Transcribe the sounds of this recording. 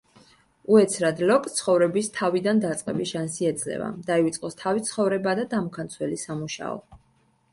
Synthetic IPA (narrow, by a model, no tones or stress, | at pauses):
uɛt̪sʰɾad̪lɔkʼt̪sʰχɔvɾɛbist̪ʰavid̪and̪at̪sʼqʼɛbisʃansiɛd̪zlɛ̰va̰d̪̥aivit̪sʼqʼɔst̪ʰavit̪sʰχɔvɾɛbad̪ad̪amkʰant̪sʰwɛlisamuʃa̰ɔ̰